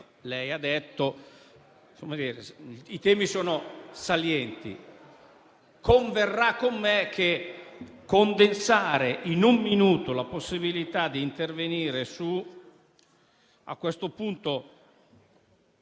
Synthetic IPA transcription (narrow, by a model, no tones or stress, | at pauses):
lɛjad̪ɛt̪ːo | somad̪iːɾeit̪ɛːmisoːnosaljɛnt̪ḭ | koɱverːakːomːekʰːe | kːond̪ensaːɾeʔinumːinuːt̪olaposːibilit̪ad̪ːiːnt̪erveniːɾesu | a̰kːwest̪opunt̪o